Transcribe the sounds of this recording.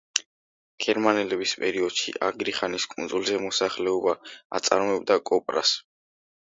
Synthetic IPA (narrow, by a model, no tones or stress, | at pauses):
ɡ̥ɛɾmanɛlɛbispʼɛɾiɔd̪̥ʃḭʔa̰ɡɾiχaniskʼunzulˠzɛmɔsaχlɛɔbaa̰t̪sʼaɾmɔɛb̚d̪akʼɔpʼɾa̰s